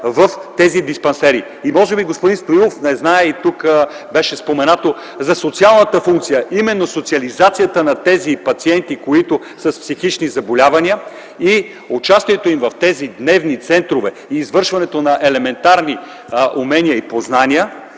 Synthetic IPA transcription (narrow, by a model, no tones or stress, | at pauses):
vəft̪ɛzid̪ispɛnsɛɾi | imɔʒɛbiɡospʊd̪inst̪oilˠofnɛznaɛit̪uk | bɛʃɛspomɛnat̪o | zɐsot̪sialˠnət̪əfuŋk̚t̪sijəʔimɛnːosot̪siɐlizat̪sijət̪ənɐt̪ɛzipɐt̪siɛnt̪ikoit̪ʊ | sɐspsixit͡ʃnizɐbolʲavɐniə | i | ʊt͡ʃast̪iɛt̪oimvɐft̪ɛzid̪nɛvnit̪sɛnt̪ɾovɛ | iːzvɤɾʃvɐnɛt̪onɐʔɛlɛmɛnt̪aɾni | ʔumɛnʲiəipoznaniə